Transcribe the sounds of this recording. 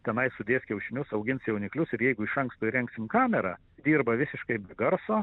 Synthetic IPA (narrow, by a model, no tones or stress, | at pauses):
t̪ʲɛnɐɪsʊd̪ʲeːsʲkʲɛʊʃʲɪnʲʊsɐʊɡʲɪnsjɛʊnʲɪklʲʊsɪɾjɛɪɡʊɪʃɐŋkst̪ʊɪɾʲɛŋksʲɪmkɑːmʲɛɾɑ̰ː | d̪ʲiːɾbɐʋʲɪsʲɪʃkɐɪbʲɛɡɐɾsoː